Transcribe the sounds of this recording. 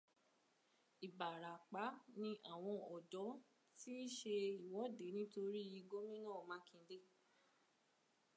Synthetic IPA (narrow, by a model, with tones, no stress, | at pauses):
i˨ba˨ɾa˨k͡pa˨˦nĩ˧ʔa˦˨w̃ɔ̃˧ɔ˨dɔ˨˦ | ti˦ʃe˧i˨wɔ˨˦de˨˦nĩ˦to˧ɾi˦˨ji˧ɡo˦mĩ˦nã˦˨mã˨˦kĩ˧˦de˦˨